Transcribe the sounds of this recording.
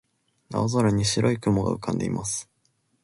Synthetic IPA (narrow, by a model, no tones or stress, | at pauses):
na̰ozoɾaɲ̟iɕiɾo̞ikɯmoɡa̰ɯ̟kʰãnd̪e̞̰ḭmʔasɨ̥